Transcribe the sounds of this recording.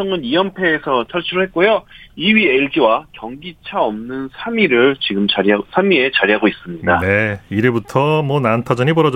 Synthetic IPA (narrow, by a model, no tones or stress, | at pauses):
ʌŋɯnijʌmpʰe̞ːsʰʌt͡ɕʰaɭt͡ɕʰiɾoɦe̞t̚k͈ojoiɥieɭd͡ʑiwakjʌŋɡit͡ɕʰaʌmnɯnsʰamiɾɯɭt͡ɕiɡɯmt͡ɕasʰamie̞t͡ɕaɾiɦaɡois͈ɯmɲidane̞iɾebutʰʌmwʌnantʰad͡ʑʌɲipʌɾʌd͡ʑ